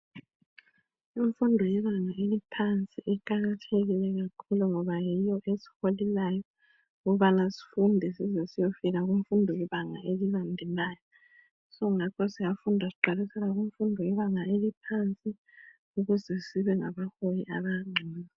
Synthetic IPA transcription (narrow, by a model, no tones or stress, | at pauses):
iɱfundʱɔjɛβaŋaʔelipʰant͡sʼiʔɛǃaɣatʰeɣilɛɣakʰuluŋɔβajijɔʔesi̥holilajɔ | ɣuβanasi̥fundʱɛsizɛsijofiɣaɣuɱfundʱɔjɛβaŋaʔeliβandʱɛlaːjɔ | sɔŋakʰɔsijafundʱasiǃalisɛlaɣuɱfundʱɔjɛβaŋaelipʰant͡sʼi | uɣuzɛsiβɛŋaβahojiʔaβaŋ͡ǀʱina